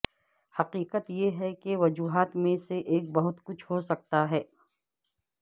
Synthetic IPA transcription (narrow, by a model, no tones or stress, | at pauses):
hɐqiːqət̪jeɦɛkeʋɐd͡ʒuːɦaːt̪mẽseʔeːk̚bɐɦʊt̪kʊt͡ʃʰɦos̬ɐk̚t̪aɦɛː